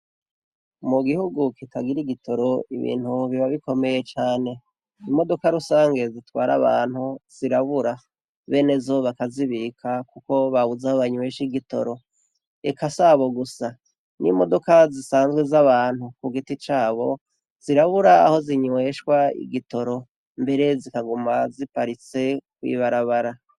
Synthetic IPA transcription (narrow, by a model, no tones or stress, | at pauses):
muɡihuɡukitʰaɡiɾiɡitʰo̞ɾo̞iβḭːn̥huβiβaβiko̞me̞je̞t͡ʃaːne̞ | imo̞do̞kaɾusaːŋɡe̞zitwaːɾa̰βa̰ːn̥huz̥iɾaβuɾa | βe̞ːne̞zo̞βakaziβikʰakuko̞βaβuzahoβaɲwweːʃiɡito̞̰ɾo̞ | ekʰasaβo̞ɡusa | nʔḭmo̞do̞kazisaːnzɡwe̞zaβaːn̥hukuɡitit͡ʃaːβo̞ | z̥iɾaβuɾa̰ːho̞ziɲuwe̞ʃkwaḭɡito̞ɾo̞ | mbe̞ɾe̞zikaɡumazipaɾit͡se̞kwḭːβaɾaβaɾa